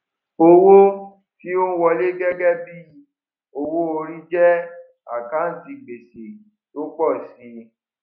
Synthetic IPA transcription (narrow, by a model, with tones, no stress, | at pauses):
o˧wo˦ | ki˦o˦wɔ˧le˦ɡɛ˦ɡɛ˦bi˦˨˧ | o˧wo˦o˧ɾi˦d͡ʒɛ˦ | a̰˨ka˨˦n̩˨ti˧ɡ͡be˨se˨ | to˦k͡pɔ˦˨si˨˦